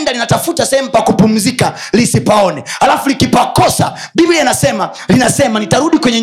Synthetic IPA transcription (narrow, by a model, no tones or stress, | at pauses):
ndalinatafutasɛɛm̩pakupum̩zika | lisipaɔnɛhalafulikipakɔsa̰ | ɓivilianasɛma | linasɛmanitaɾuɗikwɛɲɛ